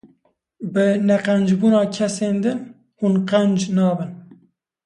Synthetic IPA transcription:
bɨnɛqænd͡ʒbuːnɑːkʰɛseːnd̪ɨn | hunqænd͡ʒnɑːbɨn

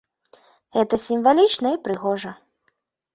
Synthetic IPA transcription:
ɣɛt̪ɐsʲimvalʲit͡ʂnɐipɾɨɣɔʐɐ

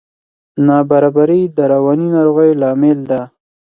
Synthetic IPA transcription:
nɑbaɾɑbaɾid̪əɾawɑninɑɾoɣəjlɑmɪld̪a

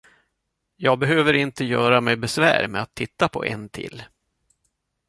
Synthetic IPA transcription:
jɑːɡ̚bɛɦøːvəɾɪnt̪əjœːɾamɛjbɛsvæ̰ːɾmɛat̪ʰːɪt̪ːapʰɔ̰ʔɛ̰nt̪ʰɪ̰lː

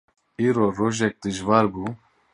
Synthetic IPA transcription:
iːɾoːɾoːʒɛk̚d̪ɨʒvɑːɾbuː

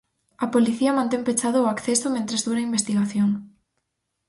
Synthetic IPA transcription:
ɐpoliθiɐmãnt̪empet͡ʃað̞ʊːakθesomẽnt̪ɾezðuɾaimbest̪iɣaθjoŋ

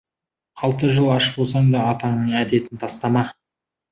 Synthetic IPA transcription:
ɑlˠt̪əʒəlˠɑʃəpbolˠsɑɴd̪ɑːt̪ɑŋnəɴæd̪e̞t̪ɪnt̪ʰɑst̪ɑmɑ

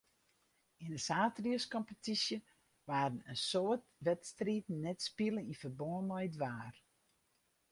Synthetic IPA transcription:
inəsaːtriəskɔmpətisjə | ʋaːɾən̩ənsoətʋɛtstriːtn̩ːɛtspilˠənifərboənɔjdʋaːr

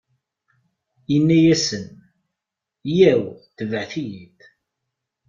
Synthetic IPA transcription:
jənːæjæsən | jæwθəvəʕθijid̪

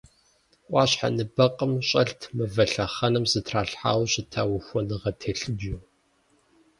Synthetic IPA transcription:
ʔʷʼɑːɕħa̰nɨbɐqʼəmɕʼɐɬtʰmɨvɐɬɐχɐnɨmzɨtʰraːɬħa̰ːwɕɪtʰaːwʊxʷɔnɨʁɐtʰeːɬɨbjuː

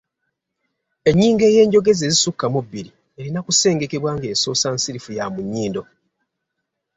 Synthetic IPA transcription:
e̞ɲːiːŋɡe̞ːje̞ːɲɟo̞ɡe̞ze̞zisukːamubːiɾi | e̞ɾinakuse̞ːŋɡe̞ke̞βwaːŋɡe̞ːso̞ːsansiɾifujamuɲːiːndo̞

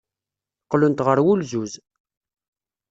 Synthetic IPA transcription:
qːlʊnt̪ʁəɾwulzuz

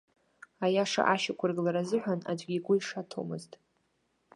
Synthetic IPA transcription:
ajaʂa̰ʔaʃakʷʰʊrɡlaɾazɨħʷᶣana̰d͡ʒʷʼɡʲiɡʷʊiʂatʰo̰mɨztʼ

